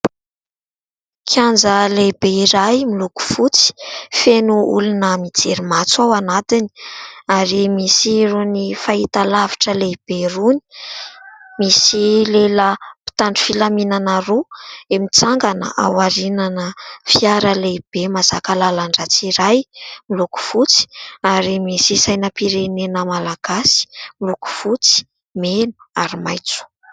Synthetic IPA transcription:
kʰiand͡zəlebeiɾajmiluku̥fut͡si̥fenuṵlunəmid͡zeɾimat͡sawanat̪ini̥aɾimisironifait̪alavi̥ʈ͡ʂəleb̥eruni̥ | misileləpi̥t̪aɳɖ͡ʐu̥filaminanaɾuemit͡saŋɡanə̰ʔa̰waɾinanəfiaɾəleib̥emaz̥akalalaɳɖ͡ʐat͡siɾajmiluku̥fut͡si̥aɾimisisajnəpiɾenenəmalaɡ̥asi̥miluku̥fut͡si̥ | menu̥aɾimajt͡su̥

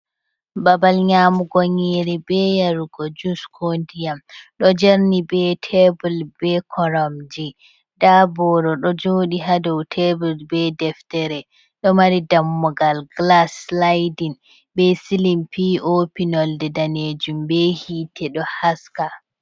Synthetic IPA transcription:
babalɲaːmuɡɔɲeɾibɛjaɾuɡɔd͡ʒuskʰondijamɗɔd͡ʒeɾnibɛtʰebulbɛkʰɔɾɔmd͡ʒi | d̥abɔɾɔɗɔd͡ʒoːɗiɦadɔwtʰebulbɛdɛftɛɾɛ | ɗɔmaɾidamːɔɡalɡlaslajdin | bɛsilimpiːopinɔldɛdaned͡ʒumbɛhiːtʰɛɗɔhaska

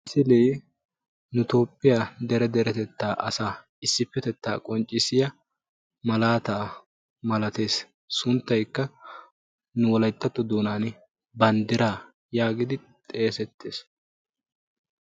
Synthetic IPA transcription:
sɪleː | nʊt̪o̞ːpʼːɪjaːd̪ɛɾɛd̪ɛɾɛt̪ɛt̪ːaːʔɐsaː | ɪsːɪpːɛt̪ɛt̪ːa̰ːkʼɔnt͡ʃʼːɪsɪjɐ | mɐlaːt̪aː | mɐlɐt̪e̞ːs | sʊnt̪ːɐjkːɐ | nʊwɔlɐjt̪ːɐt̪ːɔd̪oːnaːn | bɐnd̪ɪɾaː | jaːɡɪd̪ɪ | t̪ʼe̞ːsɛt̪ʰːe̞ːs

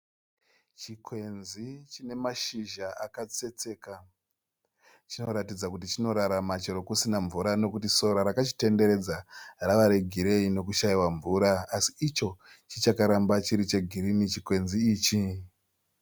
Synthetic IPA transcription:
t͡ʃikwe̞nzit͡ʃine̞maʃiʒaakat͡se̞t͡se̞ːka | t͡ʃino̞ɾatid͡zakutit͡ʃino̞ɾaɾamat͡ʃeɾo̞kusinaɱvuɾano̞kutiso̞ɾaɾakat͡ʃi̥te̞nde̞ɾe̞d͡zaraʋaɾe̞ɡʱiɾe̞ino̞kuʃaiwaɱvuɾaːsiːt͡ʃo̞ | t͡ʃit͡ʃakaɾambat͡ʃiɾit͡ʃe̞ɡʱiɾinit͡ʃikwe̞nziːt͡ʃi

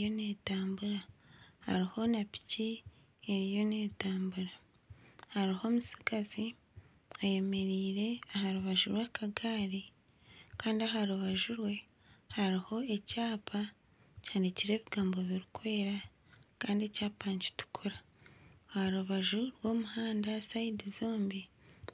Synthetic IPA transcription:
jo̞ne̞ːtaːmbuɾahaɾiho̞napi̥ci | eɾijo̞ne̞ːtaːmbuɾa | haɾiho̞ːmusiɡazi | aje̞me̞ɾiːɾe̞aɦaɾuβaʒuɾwakʰaɡaːɾi | kaːndiaɦaɾuβaʒuɾwe̞ | haɾiho̞e̞caːpʰa | candiciɾe̞ːβiɡaːmbo̞βiɾikwe̞ːɾa | kaːndie̞caːpaːɲci̥tu̥kʰuɾa | haɾuβaʒuɾwo̞ːmuhaːndasaidizoːmbi

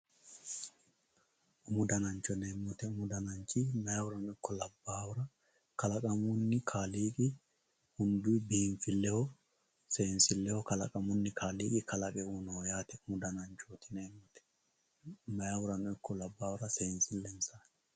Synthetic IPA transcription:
ʔʊmʊd̪ɐnɐnt͡ʃɔneːmːɔt̪ɛʊmʊd̪ɐnɐnt͡ʃimɐjawʊɾɐnɔɪkːɔlɐbːaːwʊɾɐ | kɐlɐkʼɐmʊnːɪkʰaːliːkʼɪ | hʊnd̪ʊbiːɱfɪlːɛhɔ | seːnsɪlːɛhɔkɐlɐ̰kʼɐmʊnːɪkʰaːliːkʼɪkɐlɐkʼɛunojaːt̪ɛʊmʊd̪ɐnɐnt͡ʃoːt̪ɪneːmːɔt̪ɛ̥ | mɐjawʊɾɐnɔɪkʰːɔlɐbːaːwʊɾɐseːnsɪlːɛnsaːn

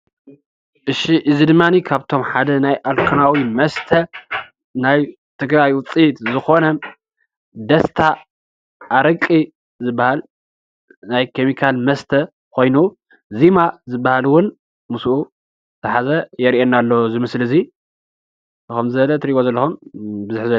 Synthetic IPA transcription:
ʔɨʃiʔɨzid̪ɨmːanikʰaβt̪ʰo̞mħad̪ɐnajʔalkʰɨnawimɐst̪ʰɐ | naj | t̪ʰɨɡɾajwʊt͡sʼit̪zɨxo̞nɐm | d̪ɐst̪ʰa | ʔːɾɐkʼːi | zɨbːahal | najkʰemikʰalmɐst̪ʰɐ | kʰo̞jnu | zimazɨbːahalwʊn | musʔu | t̪ʰɐħazɐjɛɾiʔenalːo̞zɨmɨslɨzi | ɨxomzɨβɐlɐt̪ʰɾiɡozɐlːɐxumbɨzʊħzɐ

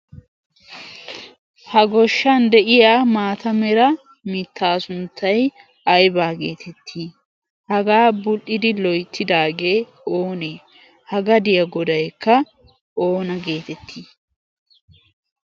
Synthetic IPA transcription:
hɐɡɔʃːɐnd̪ɛʔɪjaːmaːt̪ɐmɛɾɐ | mɪt̪ʰːaːsʊnt̪ʰːɐj | ɐjbaːɡeːt̪ʰɛt̪ʰːiː | hɐɡaːbʊlʔɪd̪ɪlɔjt̪ʰːɪd̪aːɡe̞ː | oːneː | hɐɡɐd̪ɪjɐɡɔd̪ɐjkːɐ | ʔo̞ːnɐɡe̞ːt̪ɛt̪ʰːiː

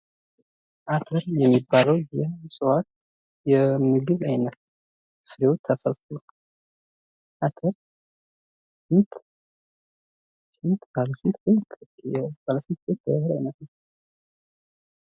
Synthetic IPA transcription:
ʔat̪ʰəɾjɛmːibːaləwjɛsʼɨwat̪̚ | jɛmɨɡɨβajnət̪ | sɨɾewot̪ʰːasəlfo | ʔat̪ʰəɾ | sɨnt̪ | sɨnt̪baləsnt̪eɛbaləsɨnt̪̚et̪̚d̪ə̰həɾajnət̪nəw

